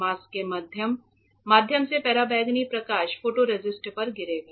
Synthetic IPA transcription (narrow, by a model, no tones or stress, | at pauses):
aːskemad̪ʱjəmː | aːd̪ʱjəmsepɛːɾabɛːɡnipɾɐkaːʃfoːʈoɾed͡ʒɪsʈpɐɾɡɪɾeːɡaː